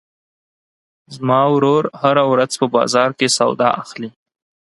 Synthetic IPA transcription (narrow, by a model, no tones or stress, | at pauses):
zmɑwɾoɾhaɾawɾazpəbɑ̰zɑɾkesawd̪ɑʔaxli